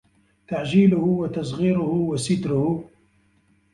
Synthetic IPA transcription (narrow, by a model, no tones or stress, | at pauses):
t̪aʕd͡ʒiːlʊhʊwat̪ɑsɣiːɾʊhʊwasɪt̪ɾʊhʊ